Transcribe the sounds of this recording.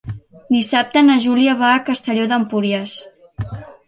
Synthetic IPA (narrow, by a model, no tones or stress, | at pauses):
d̪isap̚t̪ənəʒuliəβaːkəst̪əʎoðəmpuɾiəs